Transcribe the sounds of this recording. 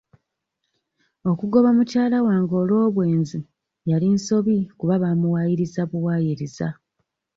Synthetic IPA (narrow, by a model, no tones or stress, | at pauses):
o̞kuɡo̞βamucaːlawaːŋɡo̞ːlo̞ːβwe̞ːnzi | jalinso̞βikuβaβaːmuwajiɾizaβuwaːjiɾiza